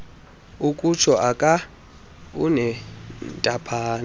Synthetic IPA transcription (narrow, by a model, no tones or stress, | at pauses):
ukʼut͡ʃʰɔʔakʼa | ṵnɛntʼapʰaːn